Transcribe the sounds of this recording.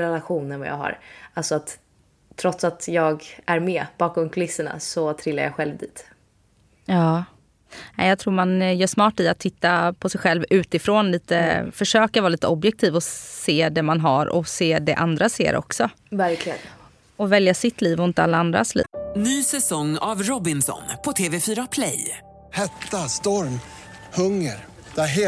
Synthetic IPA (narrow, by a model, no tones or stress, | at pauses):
ɾɛlaɧuːnənva̰ja̰ːɡɦa̰ɾalsɔat̪ʰː | ɾɔt̪sat̪jɑːɡʔæɾmɛb̥ɑːkɔmkʰʊlɪsːəɳa̰sɔt̪ʰɾɪlːa̰ja̰ɧɛlvd̪iːt̪ | ɑː | ɛ̰jɑɡt̪ʰɾuːɾmanjœːʂmɑːʈɪat̪ʰːɪt̪ːapʰɔsɛjɧɛlvʉ̟ːt̪ɪfɾoːnliːt̪əfœʂøːkavɑːliːt̪əɔbjɛk̚t̪ʰiːvɔseːd̪ɛmanɦaɾɔ̰seːd̪ɛʔa̰nd̪ɾasḛːɾʔɔ̰ksɔ | væɾkʰlɪɡən | ɔvɛljasɪt̪ːliːvɔɪnt̪əalːaand̪ɾa̰slḭːnyːsɛsɔŋːa̰vɾɔbɪnsɔ̰npʰɔt̪ʰeːvɛfyːɾapʰlɛ̰j | hɛt̪ːast̪ɔɾm | hɵŋːəɾ | d̪̥æɦ